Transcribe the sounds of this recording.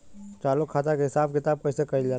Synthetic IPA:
t͡ʃ̪aːlʊkʰːaːt̪akeɦɪsaːb̚kɪt̪aːb̚kɐisekɐid͡ʒa

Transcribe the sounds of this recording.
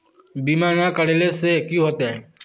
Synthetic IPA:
biːmaːnakəɽelesekjũɦoːt̪eɦɛː

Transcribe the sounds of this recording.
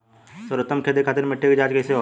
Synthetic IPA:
səɾʊt̪ːəmkʰeːd̪ekʰaːt̪̬ɪɾmɪʈʰːekd͡ʒaːd͡ʒkɐjseɦo

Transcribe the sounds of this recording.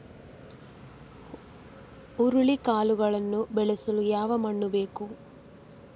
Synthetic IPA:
uɾuɭikaːluɡɐɭɐnːubɛɭesɐlujaːʋɐmɐɳːube̞ːku

